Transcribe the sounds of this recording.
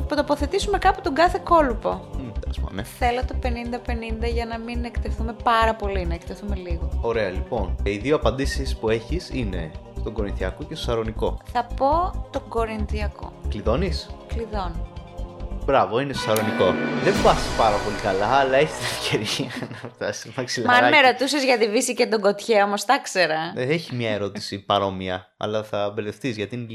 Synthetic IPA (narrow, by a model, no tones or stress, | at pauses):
pt̪o̞poθe̞t̪isume̞kɐpu̥t̪o̞ŋɡɐθe̞ko̞lupo̞esmɐ̰neθe̞lot̪o̞pe̞nind̪ɐpe̞nind̪ɐʝɐnɐminekt̪eθume̞pɐɾɐpo̞linɐekt̪eθume̞liɣoo̞ɾe̞ɐlipo̞niðioɐpɐnd̪isispue̞çisine̞̰st̪o̞ŋɡo̞ɾinθiɐ̰kocest̪osɐɾo̞niko̞̰θɐpo̞t̪oɡo̞ɾinθiɐko̰kliðo̞niskliðo̞n | bɾɐvoinest̪osɐɾo̞niko̞ðembɐsi̥spɐɾɐpo̞likɐlɐːlɐe̞çi̥st̪inefceɾiɐnɐft̪ɐsi̥mɐksilɐmɐnɐmeɾo̞t̪usezʝɐðivisicet̪oɡo̞t̪çeo̞mo̞st̪ɐkse̞ɾɐeçizmɲɐe̞ɾo̞t̪i̥sipɐɾo̞miɐ | ɐ̰lɐθɐbe̞le̞fθizʝɐt̪in